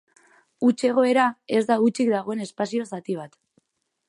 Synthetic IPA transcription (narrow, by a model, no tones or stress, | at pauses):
ut͡ʃe̞ɣ̞o̞e̞ɾae̞zd̪aut͡ʃik̚d̪aɣ̞o̞e̞ne̞spasio̞sat̪iβ̞at̪